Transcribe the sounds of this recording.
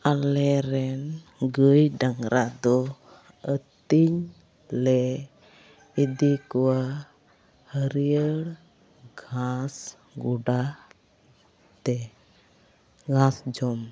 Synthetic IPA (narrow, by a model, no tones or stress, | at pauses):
alɛɾɛn | ɡəjɖaŋɡɾʔad̪ɔ | ət̪iɲ | lɛ | id̪ikuwa | həɾiəɽ | ɡʱãs | ɡuɖa | t̪ɛ | ɡʱãsd͡ʒɔm